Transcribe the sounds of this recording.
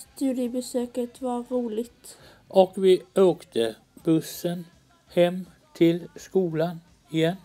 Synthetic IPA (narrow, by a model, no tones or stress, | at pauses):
st̪ʉːd̪ɪəbɛsøːkət̪vɑɾuːlɪɡt̪ | ʔɔkvɪʔøːkt̪ʰə | b̥ɵsːən | hɛmː | t̪ʰɪlskuːlan | ɪjɛnː